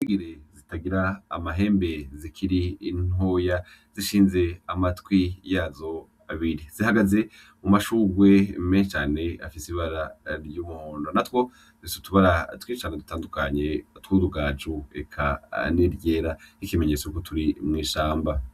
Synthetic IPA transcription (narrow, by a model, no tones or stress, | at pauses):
iɡiɾezitaɡiɾa̰ːmaɦe̞ːmbe̞zikʰiɾiːno̞ːja | z̥iʃiːnze̞amatkwijazo̞ | aβiɾiz̥ihaɡaze̞ | mumaʃuɡwe̞meːnʃet͡ʃaːne̞a̰fisiβaɾaɾjumuondonatwo̞ | tufisutuβaɾatwit͡ʃaːnedutaːndukaɲe̞twuduɡaːd͡ʒuḛkʰa̰niɾje̞ːɾahikime̞ɲe̞t͡sokotʰuɾimŋiːʃaːmba